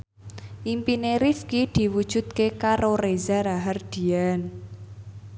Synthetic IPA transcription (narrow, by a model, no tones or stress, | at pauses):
ʔimpineɾifkid̪̥i̤wud̥ʒ̥ṳd̪̥̚kekaɾorezaɾaɦard̪̥i̤an